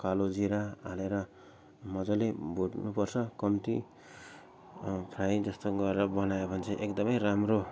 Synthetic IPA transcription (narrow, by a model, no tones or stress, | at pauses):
kalod͡ziɾaaneɾʌ | mʌd͡zʌlebʱuɽnupʌrt͡sʰʌkʌmt̪i | pʰrajd͡zʌst̪oɡʌɾeɾʌbʌnajobʱʌnt͡sʰʌʔekd̪ʌmʌjramro